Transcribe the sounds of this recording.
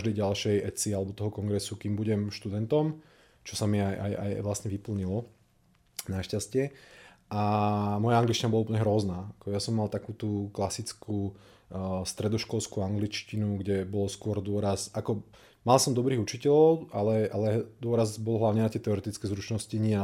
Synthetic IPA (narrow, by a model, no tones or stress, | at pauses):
ʒd̪ɛjɟalʃɛjɛt͡sialɛbɔt̪ɔɦɔkɔŋɡɾɛsukiːmbuɟɛmʃt̪ud̪ɛnt̪ɔm | t͡ʃɔsamiajʔa̰ja̰jʋlasɲɛʋipl̩ɲilɔ | naʃcascɪɛʔamɔjaaŋɡlit͡ʃcinabɔlauplɲɛɦɾɔznaːakɔjasɔmːalt̪akuːt̪uklasit͡skʰu | st̪ɾɛd̪ɔʃkɔlskuaŋɡlit͡ʃcinuɡɟɛbɔlskʊɔɾd̪ʊɔɾasakɔ | malsɔmd̪ɔbɾiːɣut͡ʃicɛlɔʊalɛʔalɛd̪ʊɔɾazbɔlɦlaʊɲɛnat̪ɪɛt̪ɛɔɾɛt̪it͡skɛjzɾut͡ʃnɔsciɲɪɛa